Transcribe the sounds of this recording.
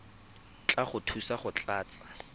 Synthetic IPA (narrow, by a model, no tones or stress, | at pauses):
t͡ɬʼaχʊtʰusaχʊt͡ɬʼaːt͡sʼa